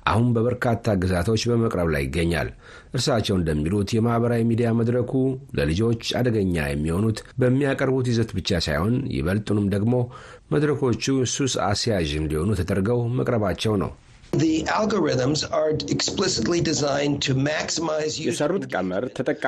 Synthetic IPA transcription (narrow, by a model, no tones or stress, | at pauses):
ʔa̰hunbəβəɾkʰat̪ʰːaɡɨzat̪ʰo̞t͡ʃːbəməkʼɾəβla̰jɪ̰ɡːəɲːa̰l | ʔɨɾsat͡ʃːɛwɨnd̪əmːilut̪jɛmahβəɾawimid̪ijaməd̪ɾəkʰulə̰lɨd͡ʒo̞t͡ʃːa̰d̪əɡəɲːa̰jɛ̰mːiho̞nut̪bəmːijakʼəɾbut̪̬izət̪bɨt͡ʃːasa̰jho̞njɪ̰βəlt̪ʼunɨmd̪əɡmo̞ | məd̪ɾəkʰo̞t͡ʃːususa̰sjaʒɨnd̪iho̞nut̪ʰəd̪əɾɡəwmə̰kʼɾəβat͡ʃːɛwnə̰w | ðiʔælˠɡəɹɪðə̃mzəɛksplɪsɪtlidɪzãɪ̃ntʰɨmæksɪmaɪzjjɛsərːut̪kʼəməɾt̪ʰət̪ʼəkʼː